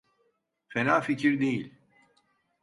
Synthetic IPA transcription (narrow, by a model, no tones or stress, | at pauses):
fenaːficʰiɾd̪e̞jilʲ